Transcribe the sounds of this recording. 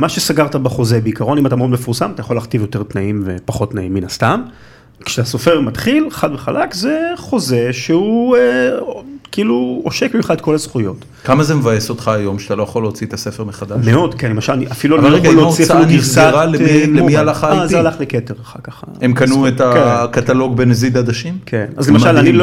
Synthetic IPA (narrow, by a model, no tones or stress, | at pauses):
maʃesaɡaʁtabaχo̞zebeikaʁo̞nimat̪amodmefuʁsamat̪ajaχo̞lːaχtivjo̞te̞ʁt̪naimvepaχo̞tnaimːinast̪am | kʃeaso̞fe̞ʁmatχilχadveχalʔakze̞χo̞ze̞ʃeue | kiiluoʃekiχaetko̞lasχujo̞t | kamazemevajesot̪χaːjo̞mʃat̪alo̞jaχoleot͡siet̪asefeʁmeχad̪aʃmeo̞dkenlemaʃalniʔafiluavalʁeɡaloosiaiiluniʁzaiʁalemlemialaχazealaχleketeʁaχa̰kaχaemkanuetakkat̪alo̞ɡ̚benezid̪ad̪aʃimkʰena̰zlemaʃalani